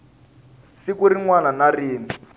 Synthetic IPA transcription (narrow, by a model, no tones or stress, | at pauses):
sikuɾiŋwananariːni